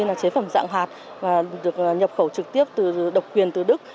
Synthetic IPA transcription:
nlaː˨˩t͡ɕe˨˦fə˧˩mza̰ː˧˥ŋɦaː˨˩t̚ | vaː˨˩ɗɨ˨˩ək̚ɲə˨˩p̚xə˧˩wt͡ɕɨ˨˩k̚t̪i˦˥əp̚t̪ɨ˨˩ɗə˨˩wk͡p̚kwi˨˩ənt̪ɨ˨˩ɗɨ˦˥k̚

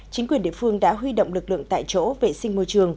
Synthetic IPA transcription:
t͡ɕï˨˦ŋkwi˨˩ənɗḭ˧˨fɨ˧əŋɗa̰ː˧˥ɦwi˧ɗo̰˧˨wŋ͡mlɨ˨˩k̚lɨ̰˧˨əŋt̪a̰ː˧˨jt͡ɕo̰˧˥ve˨˩sï˧ŋ̟mo˧t͡ɕɨ˨˩əŋ

